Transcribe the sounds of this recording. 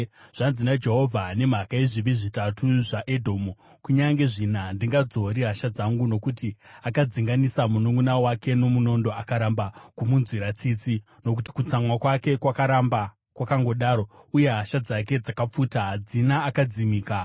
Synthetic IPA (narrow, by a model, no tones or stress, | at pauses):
ʐ̥anzinad͡ʒe̞ɦo̞vʱane̞m̤akaeʐiʋiʐitatʰuʐaʔedʱo̞ːmu | kuɲaŋɡe̞ʐinandiŋɡad͡zo̞ɾiɦaʃad͡zaŋɡuno̞kutiakad͡ziŋɡanisamunuŋɡunawake̞no̞muno̞ndo̞akaɾambakumunzwiɾat͡sit͡si | no̞k̬uti̥kut͡samwakwake̞kwakaɾamba | kwakaŋɡo̞ɗaːɾo̞uje̞ɦaʃad͡zake̞d͡zakap͡fuːtaɦad͡zinaːkad͡zimiːka